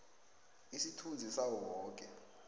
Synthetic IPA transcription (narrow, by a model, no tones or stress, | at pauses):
isitʰund͡zʱisawɔwɔːk̬ʼɛ